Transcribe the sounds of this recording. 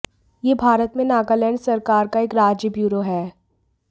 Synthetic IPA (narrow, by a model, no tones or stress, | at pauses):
jeːbʱaːɾət̪mẽnaːɡalɛ̃ːɳɖsɐɾkaːɾkaeːkɾaːd͡ʒjəbjuːɾoɦɛː